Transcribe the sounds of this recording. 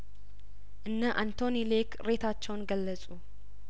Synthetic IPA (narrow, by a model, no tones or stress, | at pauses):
ʔɨnːəʔant̪ʰo̞nilekʰɾe̞t̪ʰat͡ʃːɛwnɡəlːəsʼu